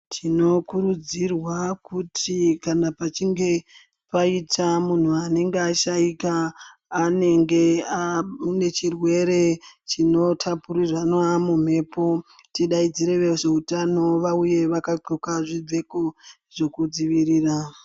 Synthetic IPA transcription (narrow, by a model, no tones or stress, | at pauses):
tʰino̞kuɾud͡zirwakutʰikanapat͡ʃiŋɡe̞ | paitamun̤uane̞ŋɡeaʃaikaː | ne̞ŋɡe̞ane̞t͡ʃirwe̞ɾe̞t͡ʃino̞tʰapuɾiranwamum̤e̞po̞ | tiɗaid͡ziɾe̞ʋeʐe̞utano̞ʋauje̞ʋakaǃokaʐib͡ve̞ko̞ | ʐe̞kud͡ziʋiriːra